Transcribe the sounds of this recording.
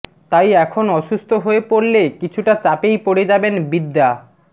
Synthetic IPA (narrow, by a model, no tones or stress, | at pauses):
t̪ajɛkʰonɔʃust̪ʰoɦoepoɾlekit͡ɕʰuʈat͡ɕapejpoɽed͡ʑabenbid̪ːa